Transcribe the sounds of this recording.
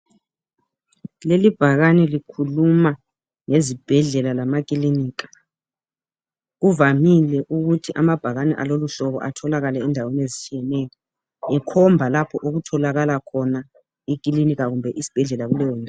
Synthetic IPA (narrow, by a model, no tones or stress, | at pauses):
lelib̥ʱaɣanɛlikʰuluma | ŋezib̥ʱɛɮɛlalamak̬ʼiliniːk̬ḁ | ɣuvamilɛʔuɣutʰiʔamab̥ʱaɣanɛ̰ʔa̰loluɬɔβɔ̰ʔa̰tʰɔlaɣalɛɛndʱawenezit͡ʃʼijɛnɛjɔ | ɛkʰɔmbʱalapʰɔʔuɣutʰɔlaɣalakʰɔna | ik̬ʼilinik̬ʼaɣumbʱɛʔisi̥b̥ʱɛɮɛlaɣulɛjɔna